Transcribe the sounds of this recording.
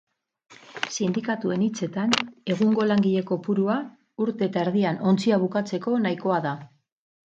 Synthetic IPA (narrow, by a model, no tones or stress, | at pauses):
sind̪ikat̪ue̞nit͡se̞t̪ane̞ɣ̞uŋɡo̞laŋɡiʎe̞ko̞puɾua | uɾt̪e̞ːt̪aeɾðiano̞nt͡siaβukat͡se̞ko̞naiko̞aða